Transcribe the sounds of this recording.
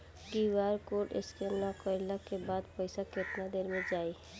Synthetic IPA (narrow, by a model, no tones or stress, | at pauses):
kiʋaːɾkoːʈɪ̰skennakəɾlakebaːd̪pəɪsakɪt̪nad̪eːɾmẽd͡ʒaːi